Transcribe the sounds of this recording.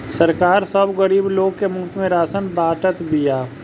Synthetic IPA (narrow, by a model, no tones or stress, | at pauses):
səɾkaːɾsəbɣəɾiːbloːɡ̚kemʊkt̪mẽɾaːsənbaːʈət̪bijaː